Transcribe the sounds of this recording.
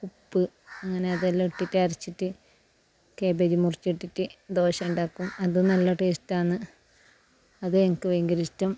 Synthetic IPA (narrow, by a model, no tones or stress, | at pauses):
kupːɨ | ɐŋːɐne̞ɐðɐlːiʈːitːaːɾit͡ɕːiʈːɨ | ke̞ːbedimurit͡ɕːiʈːitːɨd̪o̞ːɕɐmuɳɖaːkːumɐðɨnɐlːɐʈeːstaːɳːɨ | ɐðɨeŋɐkːɨʋeŋɡɐɾistɐm